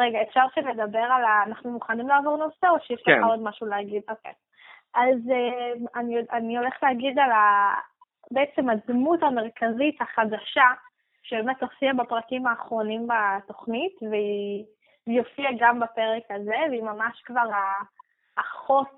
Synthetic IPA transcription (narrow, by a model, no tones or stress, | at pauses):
ʁeɡaefʃaʁʃile̞d̪abe̞ʁalaːnaχnumuχanimlaːvo̞ʁno̞seoʃejɛʃleχao̞dmaʃulehaɡid̪o̞kḛj | ʔazeanioanio̞leχleaɡid̪ala | beet͡semadmuthame̞ʁkazithaχadaʃa | ʃebemetlo̞fiabapʁakimaːχʁo̞nimbato̞χnitvei | ijo̞fiaɡambape̞ʁekaze̞veimamaʃkvaʁaː | χot